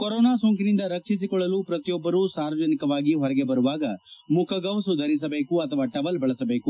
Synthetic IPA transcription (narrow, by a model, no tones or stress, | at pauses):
koɾoɔːnaːsoːŋkinind̪ɐɾɐkʂisikɔɭːɐluːpɾɐt̪ijɔbːɐɾusaːɾʋɐd͡ʒɐnikɐʋaːɡiɦɔɾɐɡe̞bɐɾuʋaːɡɐmukʰɐɡɐʋsud̪ʱɐɾis̬ɐbe̞ːkuɐt̪ʰɐʋaːʈɐʋɐlbɐɭɐsɐbe̞ːku